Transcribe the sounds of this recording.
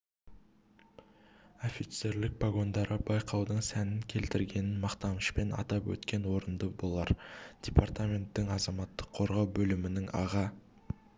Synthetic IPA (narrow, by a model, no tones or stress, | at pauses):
o̞fit̪se̞ɾlɪk̚paɡo̞nd̪ɑɾəbɑjqʰɑwd̪əɴsænɪŋkʲʰe̞lt̪ɪɾɡʲe̞nɪnmɑqt̪ɑməʃpe̞nɑ̰t̪ɑpwɵ̰t̪kʲe̞nwo̞ɾənd̪əbo̞lˠɑɾd̥ʲe̞part̪amʲe̞nt̪ːɪŋɑzɑmɑt̪ːəqʰːo̞ɾʁɑwbɵlɪmɪnɪŋɑ̰ʁɑ